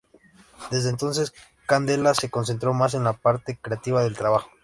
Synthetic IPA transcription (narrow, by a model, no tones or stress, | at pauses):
d̪e̞zðeːnt̪o̞ns̬e̞s | kand̪e̞lase̞ko̞ns̬e̞nt̪ɾo̞mas̬e̞nlapaɾt̪e̞kɾeat̪iβaðe̞lt̪ɾaβaxo̥